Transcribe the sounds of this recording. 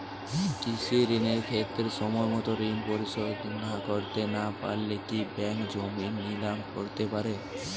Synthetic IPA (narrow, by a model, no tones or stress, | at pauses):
kisʰuɾineɾkʰet̪ːɾeʃɔmɔemɔt̪oɾinpoɾiʃod̪nakoɾt̪enapa̰ɾlekibɛŋkd͡ʑominːilamkoɾt̪epaɾe